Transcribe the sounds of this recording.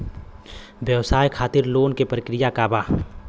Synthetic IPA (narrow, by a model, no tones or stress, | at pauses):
ʋjəʋsaːjkʰaːt̪ɪɾloːnkepɾəkɾɪjakaːbaː